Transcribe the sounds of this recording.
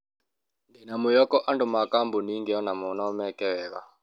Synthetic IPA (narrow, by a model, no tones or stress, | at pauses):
ndinamujɔkɔʔandumakambuniŋɡɛɔnamɔnɔmɛkɛwɛːβa̰